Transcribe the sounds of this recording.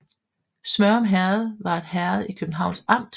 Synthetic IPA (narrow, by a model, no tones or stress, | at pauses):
smɶɐɒmɦæɐð̩ˠʋɑ̈e̝d̥hæɐð̩ˠikʰøb̥n̩ɦɑ̈ʊ̰nsɑ̈m̰d̥